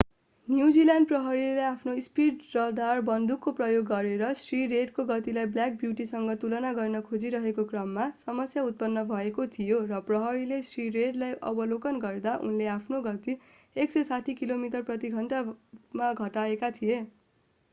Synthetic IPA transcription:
njud͡zilanɖprʌɦʌɾileapʰnoispiɖrʌld̪arbʌnd̪ukːoprʌjoɡːʌɾeɾʌsriɾeɖkoɡʌt̪ilajbljak̚bjuʈisʌŋɡʌt̪ulʌnaɡʌrnʌkʰod͡ziɾʌɦekokrʌmːasʌmʌsjaut̪̚pʌnːʌbʱʌekot̪ʰijorʌprʌɦʌɾilesriɾeɖlajʔʌ̰bʌlokʌnɡʌrd̪aʔṵnleapʰnoɡʌt̪i | eksesaʈʰikilomiʈʌrprʌt̪iɡʱʌnʈamaɡʱʌʈaekat̪ʰije

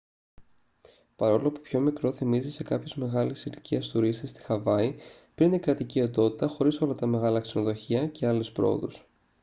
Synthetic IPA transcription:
pɐɾo̞lo̞pu̥pço̞mikɾo̞θimizise̞kɐpçozme̞ɣɐlisiliciɐst̪uɾist̪est̪i̥xɐvɐi | pɾinikɾɐt̪icio̞nd̪o̞t̪it̪ɐxo̞ɾiso̞lɐt̪ɐme̞ɣɐlɐkse̞no̞ðo̞çiɐce̞ɐlespɾo̞̰o̰ðṵs

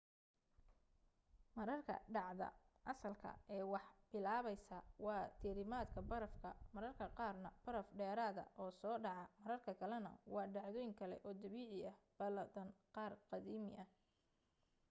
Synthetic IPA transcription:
mɐɾɐrkʰɐ̰ɖɑʕðɐ̰ʔɐsɐlkʰɐ̰ɛːwɑħb̥ɪlaːβɛjsɐwɑːt̪ʰiɾɪmaːd̪kʰɐbɐɾɐfkʰɐ̰mɐɾɐrkʰɐqɑːrnɐb̥ɐɾɐfɖɛːɾaːðɐ̰ʔɔːsɔːɖɑʕɑmɐɾɐrkʰɐkʰɐlɛnɐ̰wɑːɖɑʕðɔːjɪŋkʰɐlɛ̰ʔɔːd̪ɐβiːʕɪɐhb̥ɐlɐd̪ɐnqɑːrqɑðiːmɪʔɐ

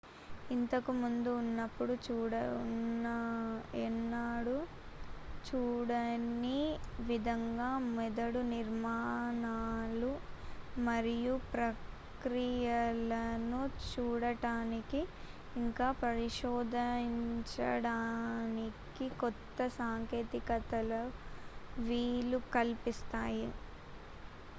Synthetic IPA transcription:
int̪ɐkumund̪uːnːɐpːuɽut͡ʃuːɽɐnnːɐɛnːaːɽu | t͡ʃuːɽɐniʋid̪ʱɐŋɡaːmɛd̪ɐɽuniɾmaːnaːlu | mɐɾijupɾɐ | kɾijɐlɐnut͡ʃuːɽɐʈaːnikiː | ŋkaːpɐɾiʃɔːd̪ʱɐɲt͡ʃɐ̰ɽaːnikikɔt̪ːɐsaːŋkeːt̪ikɐt̪ɐlɐ | ʋiːlukɐlpist̪aːji

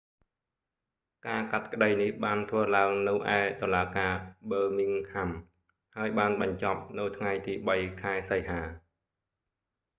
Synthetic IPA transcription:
kaːkat̪̚kəɗəjnihɓaːnt̪ʰʋəːlaəŋnɨwʔaɛt̪olaːkaːɓəːmiŋkʰam | haəjɓaːnɓɑɲt͡ɕɑp̚nɨwt̪ʰŋajt̪iːɓəjkʰaɛsəjhaː

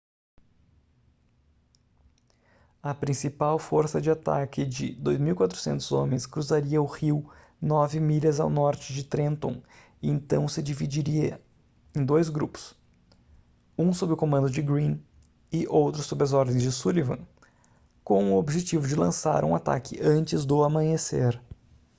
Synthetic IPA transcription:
ɐpɾĩsipawfoɾsɐd͡ʒɪat̪a̰kɪd͡ʒɪ̰d̪ojzmiwikwat̪ɾʊ̥sẽnt̪ʊzõ̰mẽj̃skɾuzaɾiɐʊhiw | nɔvɪmiʎɐza̰wnɔɾt͡ʃɪd͡ʒɪt̪ɾẽnt̪õ̰ | ɪẽnt̪ɐ̃w̃sɪd͡ʒivid͡ʒiɾiɐ | ẽj̃d̪ojzɡɾupʊ̥s | ũsobɾɪʊkomɐ̃nd̪ʊd͡ʒɪɡɾĩn | ɪʔowt̪ɾʊsːobɾɪɐzɔɾd̪ẽj̃zd͡ʒɪsulivɐ̰̃ | kõw̃ʊobʒet͡ʃivʊd͡ʒɪlɐ̃sa̰ɾũat̪a̰kɪʔɐ̃nt͡ʃɪzd̪ʊamɐ̃ɲeseɾ

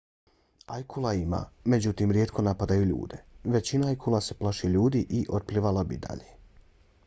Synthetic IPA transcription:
ajkʰulˠaima̰ːme̞d͡ʑut̪iːmɾjeːt̪kʰo̞napad̪ajuʎṵːd̪e̞ʋe̞t͡ɕinaajkʰulˠase̞plˠaʃeʎuːd̪iʔiʔot̪̚plˠiʋalˠabḭd̪a̰ʎe

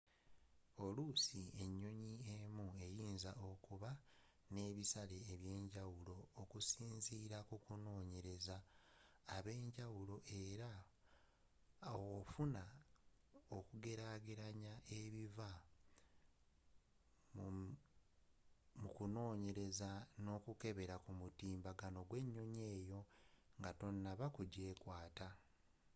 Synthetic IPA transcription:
o̞lusie̞ɲːo̞ɲiemue̞jiːnzao̞kuβa | ne̞ːβisale̞ːβje̞ːɲɟawulo̞ːkusiːnziːɾakukuno̞ːɲe̞ɾe̞zaː | βe̞ːɲɟawulo̞ʔe̞ɾa | ofuna | okuɡe̞ɾaːɡeɾaɲaʔe̞βiva | mukuno̞ːɲe̞ɾe̞zano̞ːkuke̞βe̞ɾakumutiːmbaɡano̞ɡwe̞ɲːo̞ɲe̞ːjo̞ŋɡato̞nːaβakuɟe̞ːkwaːta

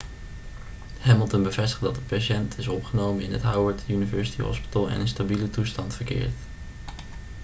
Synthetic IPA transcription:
hɛməlˠtənbəvɛstə̥χdɑtdəpaʃɛntʰɪsɔpχənowmənɪnɦətɦawəɹtynivɜɹsi̥tiɦɔ̰spi̥təlˠɛ̰nənstabilətustɑntfəɹkɪ̰ːɹt

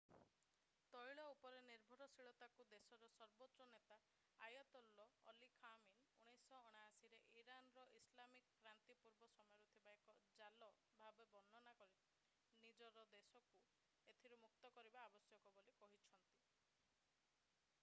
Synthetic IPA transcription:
t̪ɔjɭɔupɔɾeniɾbʱɔɾɔsiɭɔt̪akud̪esɔɾɔsɔɾbot̪ːʃɔnet̪a | ajɔt̪ɔlːɔɔlikʰamiluɽ̃ejsɔːɽ̃aːsiɾeʔiɾanɔɾɔʔislamikkɾant̪ipuɾbɔsɔmɔjɔɾut̪ʰibaekɔd͡ʒalɔ | bʱabebɔnːɔnakɔɾi | nid͡ʒɔɾɔd̪esɔku | et̪ʰiɾumuk̚t̪ɔkɔɾibaːbɔsjɔkɔbolikɔɦit͡ʃʰɔnt̪i

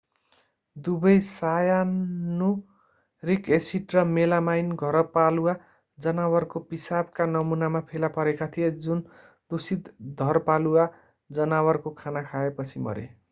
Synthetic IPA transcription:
d̪ubʌjsajanːu | rikesiʈrʌmelamajnɡʱʌɾʌpaluwa | d͡zʌnawʌrkopisab̚kanʌmunamapʰelapʌɾekat̪ʰijed͡zun | d̪usid̪d̪ʱʌrpaluwa | d͡zʌnawʌrkokʰanakʰaepʌt͡sʰimʌ̰ɾḛ

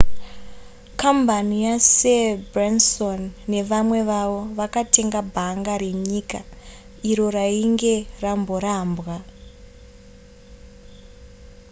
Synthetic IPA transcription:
kambanijasebransonːe̞ʋamwe̞ʋaʋo̞ʋakate̞ŋɡabʱaŋɡare̞ɲiːka | iɾo̞raiŋɡe̞rambo̞ɾaːmbɣa

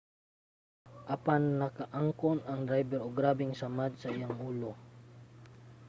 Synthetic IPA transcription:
ʔɐpanːɐkɐʔaŋkonɐŋd̪ɾajbɛɾoɡɾaːbɪŋsamad̪̚sɐʔɪjaŋʔuːlo

